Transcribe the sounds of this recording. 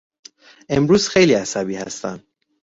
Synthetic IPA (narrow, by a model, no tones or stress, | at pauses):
ʔe̞mɾuːz̥xe̞jliːæsæbiːhæ̰st̪æ̰nd̪